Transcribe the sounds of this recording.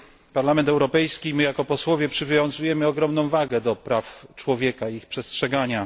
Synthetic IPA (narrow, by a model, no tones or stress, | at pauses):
paɾlamɛnt̪ɛwɾɔpɛjskʲimɘjakɔpɔswɔvʲjɛpʂɘvʲjʲɔ̃ñzujɛmɘɔɡɾɔmnɔ̃w̃vaɡɛd̪ɔpɾaft͡ʂwɔvʲjɛkaiixpʂɛstʂɛɡaɲa